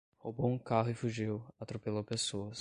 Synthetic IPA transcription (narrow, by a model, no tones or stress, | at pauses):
hobowũkaɦʊɪfuʒiwat̪ɾopelowpesoɐs